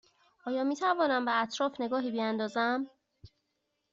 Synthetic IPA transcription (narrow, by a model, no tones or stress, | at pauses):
ʔɒːjɒːmiːt̪ʰævɒːnæmbeæt̪ʰɾɒːfne̞ɡɒːɦiːbijænd̪ɒːzæm